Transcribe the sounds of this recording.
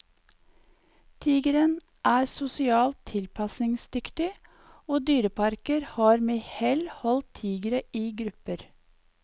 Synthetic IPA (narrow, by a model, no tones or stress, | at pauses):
t̪ʰiːɡəɾən | ʔæːɾsʊsɪɑːlt̪ʰɪlpʰɑsnɪŋsd̪ʏkt̪ɪ | oːd̪yːɾəpʰɑɾkəɾhɑːɾmeːhɛlhɔlt̪ʰiːɡəɾəiːɡɾʉpəɾ